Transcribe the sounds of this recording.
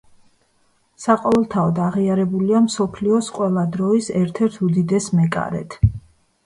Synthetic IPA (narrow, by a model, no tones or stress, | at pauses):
saqʼɔɛlˠt̪ʰaɔd̪aʁiaɾɛbuliamsɔpʰliɔsqʼwɛlˠad̪ɾɔisɛɾt̪ʰɛɾt̪ʰud̪id̪ɛsmɛkʼa̰ɾɛ̰t̪ʰ